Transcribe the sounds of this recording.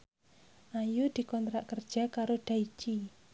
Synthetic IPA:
ʔajud̪̥i̤kɔnt̪ɾaʔkərd̥ʒ̥a̤kaɾoɖ̪̥ai̥t͡ʃi

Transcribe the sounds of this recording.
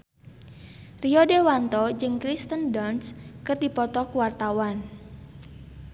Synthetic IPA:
riɔdewant̪ɔd͡ʒɨŋkɾist̪əndɔrnskɨrdipɔt̪ɔkuwart̪awan

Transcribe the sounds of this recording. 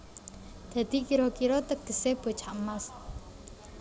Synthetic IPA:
d̪̥ä̤d̪̥i̤kiɾɔkiɾɔt̪ək̚d̪̥ə̤seb̥o̤t͡ʃʰaʔmas

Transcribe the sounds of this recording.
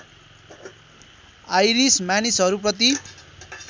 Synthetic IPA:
ajɾismjanisɦʌɾuprʌt̪̬i

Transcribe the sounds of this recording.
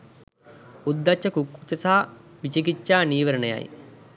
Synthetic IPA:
ud̪ːat͡ʃːɐkukːut͡ʃɐsaːʋit͡ʃikit͡ʃːaːniːʋɐɾɐnəja̰j

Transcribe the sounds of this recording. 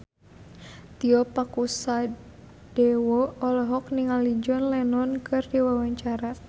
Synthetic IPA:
t̪iɔpakusa | d̥ɛwɔɔlɔɦɔkniŋalid͡ʒɔnlɛnɔnkɨrdiwawaɲt͡ʃaɾa

